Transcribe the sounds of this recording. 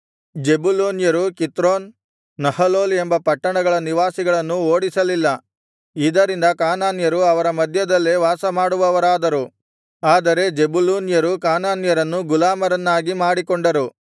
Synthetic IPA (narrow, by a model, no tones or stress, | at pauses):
d͡ʒe̞buloːnjɐɾukit̪ɾoːnː | ɐhɐloːle̞mbɐpɐʈːɐɳɐɡɐɭɐniʋaːsiɡɐɭɐnːuoːɽisɐlilːɐ | id̪ɐɾind̪ɐkaːnaːnjɐɾuɐʋɐɾɐmɐd̪ʱjɐd̪ɐlːeʋaːsɐmaːɽuʋɐʋɐɾaːd̪ɐɾu | aːd̪ɐɾe̞d͡ʒe̞buloːnjɐɾukaːnaːnjɐɾɐnːuɡulaːmɐɾɐnːaːɡimaːɽikoɳɖɐɾu